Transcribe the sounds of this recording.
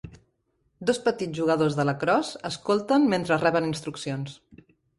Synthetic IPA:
d̪ospət̪iʒuɣəðozðələkɾɔzəskolˠt̪ənment̪ɾərɛβəninst̪ɾuksions

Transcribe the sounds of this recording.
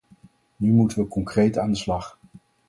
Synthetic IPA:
nymutəʋəkɔŋkrejtaːndəslɑχ

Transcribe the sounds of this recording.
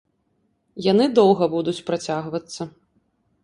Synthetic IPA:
janɨd̪ɔwˠɣɐbud̪ut͡sʲpɾat͡sʲaɣvɐt̪sːɐ

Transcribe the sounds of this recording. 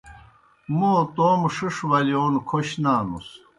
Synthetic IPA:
moːt̪oːmʂɨʂʋɐlioːnkʰoɕnaːnṵs

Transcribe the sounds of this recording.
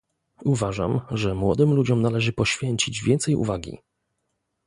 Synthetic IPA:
uvaʐa̰mʐɛmwɔ̰d̪ɘmlud͡ʑɔmnalɛʐɘpɔɕfʲjɛɲt͡ɕid͡ʑvʲjɛnt̪sɛjṵvaɡʲḭ

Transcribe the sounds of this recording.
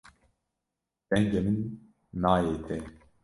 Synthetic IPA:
d̪̥ɛŋɡɛmɨnː | aːjeːt̪ʰɛ

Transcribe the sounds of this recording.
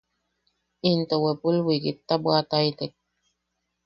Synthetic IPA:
int̪owepulwikit̪ːabwat̪ajt̪ek̚

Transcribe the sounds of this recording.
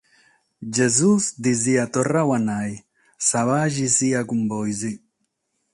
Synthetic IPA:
d͡ʒezuzd̪iziat̪orawanaj | saβaʒisiakumbɔjzi

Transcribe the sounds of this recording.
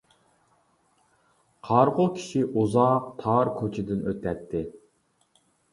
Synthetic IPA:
qʰɑɾʁʊkʲʰi̥ʃiʔuzɑq̚t̪ʰɑɾkʰot͡ʃʰɪd̪ɪnøt̪ʰːɛt̪ʰːɪ

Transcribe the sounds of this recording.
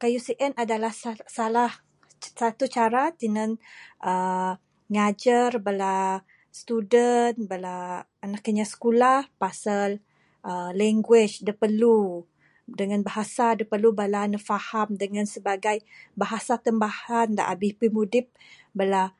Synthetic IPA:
kajusiʔɛnadalahssalah | sat̪ut͡ʃaɾat̪inənʔə | ŋad͡ʒərbəla | st̪udənbəlaː | nakːəɲasə̥kulahpasal | ʔəlɛŋɡwɪt͡ʃdəpəlu | dəŋanbaɦasadəpəlubalanəfahamdəŋãnsəbaɡajbaɦasat̪əmbahanda̰ʔa̰bɪhpimudɪp̚ | bəla

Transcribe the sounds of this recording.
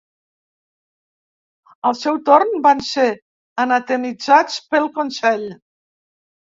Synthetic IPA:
əlˠsɛwt̪ornbanse | ənat̪emid͡zat͡spəlˠkonsɛʎ

